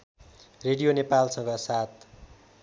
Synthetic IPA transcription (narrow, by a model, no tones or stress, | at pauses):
reɽijonepalsʌ̃ŋɡʌsat̪̚